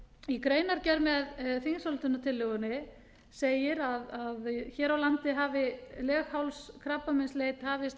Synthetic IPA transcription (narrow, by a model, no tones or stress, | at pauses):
ikɾeːjnaɾcɛɾmɛðfiŋsɔlt̪ʏnat̪ʰɪlːʏɣʏnɪ | seːjɪɾaðaðçɛːɾawlant̪ɪɦaːvɪlɛːxhawlskʰɾapːamɪnsleːjt̪haːvɪs